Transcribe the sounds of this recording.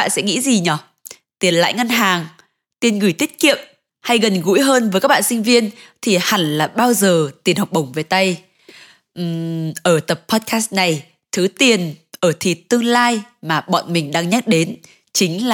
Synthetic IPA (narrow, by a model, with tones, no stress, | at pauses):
a̰˧˨nsɛ̰˧˥ŋḭ˧˥zi˨˩ɲɔ˨˩ | t̪i˨˩ənla̰ː˧˨jŋə˧nɦaː˨˩ŋ | t̪i˨˩ənɣɨ˧˩jt̪i˦˥t̚kḭ˧˨əm | ha˧jɣə˨˩nɣṵ˧˥jɦəː˧nvəː˨˦jkaː˦˥k̚ɓa̰ː˧˨nsï˧ŋ̟vi˧ənt̪ʰi˨˩ha˨˩ŋlaː˨˩ɓaː˧wzəː˨˩t̪i˨˩ənha˨˩wk͡p̚ɓə˧˩wŋ͡mve˨˩jt̪a˧j | ʔ̩˨˩ʔəː˧˩t̪ə˨˩pʰːɔ˦˥t̚ka˦˥st̚na˨˩j | t̪ʰɨ˨˦t̪i˨˩ənʔəː˧˩t̪ʰḭ˨˩t̚t̪ːɨ˧əŋlaː˧jmaː˨˩ɓɔ̰˧˨nmï˨˩ŋ̟ɗaː˧ŋɲa˦˥t̚ɗe˨˦n | t͡ɕï˨˦ŋ̟laː˨˩